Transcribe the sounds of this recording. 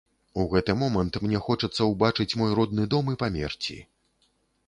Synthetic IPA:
uɣɛt̪ɨmɔmɐnt̪mnʲɛxɔt͡ʂɐt̪sːɐwbat͡ʂɨt͡sʲmɔjɾɔd̪nɨd̪ɔmɨpamʲɛ̰rt͡sʲḭ

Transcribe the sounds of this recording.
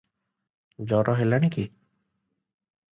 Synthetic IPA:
d͡ʒɔɾɔɦelaɽ̃iki

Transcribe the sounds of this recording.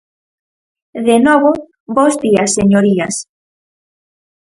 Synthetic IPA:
ðenɔβo | bozdiɐsːeɲoɾiɐs

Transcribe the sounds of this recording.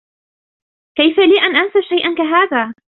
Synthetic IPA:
kajfaliːʔanʔansaʃajʔankaɦaːðaː

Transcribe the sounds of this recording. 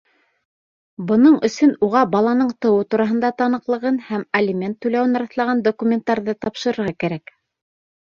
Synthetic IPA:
bɤ̆nɤɴɵ̆sɵnuʁɑbɑlˠɑnɤɴt̪ɤ̆wɤt̪uɾɑɦɤ̆nd̪ɑt̪ɑnɤ̆qlˠɤ̆ʁɤnhæmɐlʲimʲent̪ːʉjlæwɘnɑɾɑθlˠɑʁɑnd̪okumʲent̪ːɑɾðɤt̪ɑpʃɤ̆ɾɤ̆ɾʁɑkæɾæk

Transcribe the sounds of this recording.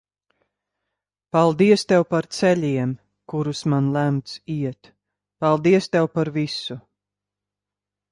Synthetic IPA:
palˠd̪iɛst̪ɛwpaɾt̪sɛlʲiɛm | kuɾusmanlˠæmt̪siɛt̪ | palˠd̪iɛst̪ɛwpaɾvisu

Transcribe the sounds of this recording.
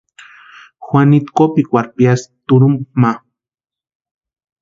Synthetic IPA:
xwʷanit̪kopikʷaɾpijast̪uɾumma

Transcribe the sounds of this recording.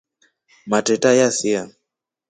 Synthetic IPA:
matɛtajasia

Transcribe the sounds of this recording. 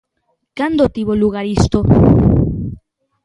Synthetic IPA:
kand̪ot̪iβoluɣaɾist̪o

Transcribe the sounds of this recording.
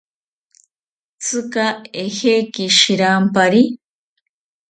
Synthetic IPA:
t͡sʰɨkaehekiʃiɾampaɾi

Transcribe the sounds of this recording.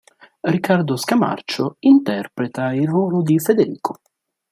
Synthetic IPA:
rikːard̪oskama̰rt͡ʃoint̪ɛrpɾet̪airːoːlʊd̪ifed̪eɾiːkʰo

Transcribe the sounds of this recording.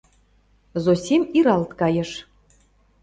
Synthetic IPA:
zosʲimʲiɾɑlt̪kɑjɤ̆ʃ

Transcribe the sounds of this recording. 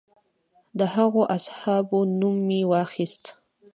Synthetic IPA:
d̪aɦɑʁoʔashaːbʊnʊmːɪwaːχɪst̪

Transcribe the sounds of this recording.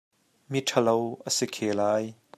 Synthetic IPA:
mitʰɐlowʔəsikʰeːlaːj

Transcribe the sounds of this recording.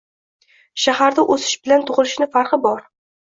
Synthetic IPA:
ʃahaɾd̪aʔɵsɪ̥ʃbɪlant̪ʰʊʁɨlˠɪʃnɪfaɾqɨbɒɾ

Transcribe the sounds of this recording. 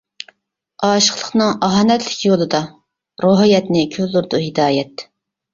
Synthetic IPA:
ɑːʃə̥qlˠəχnɨŋɑɦɑːnɛt̪lɪkʲjolˠɨd̪ɑ | ɾoɦjɛt̪nɪkʲʰølːuɾd̪uɦid̪ɑːjɛt̪

